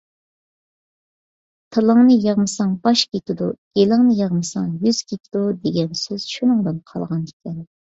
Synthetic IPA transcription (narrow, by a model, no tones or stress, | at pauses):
t̪ʰɨlˠɨŋnɨjɑʁmɨsɑŋbɑʃkʲet̪ɪd̪uɡelɨŋnɨjɑʁmɨsɑŋjyz̥kʲet̪ʰɪd̪ud̪eɡʲɛnsyz̥ʃunɨŋd̪ɨnqʰɑ̰lˠʁɑnikʲʰɛn